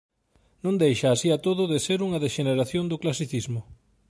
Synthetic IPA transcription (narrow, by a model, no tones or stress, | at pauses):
nõnd̪ejʃaːsiat̪oðʊðeseɾuŋɐðeʃeneɾaθjond̪ʊklasiθizmʊ